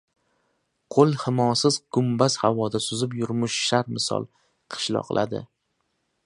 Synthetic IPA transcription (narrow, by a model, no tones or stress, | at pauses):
qʰolˠhɪmɒsɪzɡʊmbaz̥havɒd̪asʊzɪpjʊɾmʊʃʃaɾmɪsɒ̰lˠ | qʰɨ̥ʃlˠɒ̰qlˠʔa̰d̪ɪ̰